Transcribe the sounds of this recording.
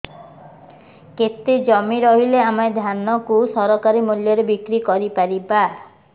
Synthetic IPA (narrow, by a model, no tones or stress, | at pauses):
ket̪ːed͡ʒɔmiɾɔɦileamaed̪ʱanɔkusɔɾɔkaɾimuljɔɾebikɾikɔɾipaɾiba